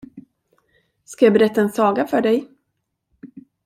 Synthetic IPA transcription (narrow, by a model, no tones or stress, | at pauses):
skajɑːbɛɾɛt̪ːaɛnsɑːɡafœɖɛj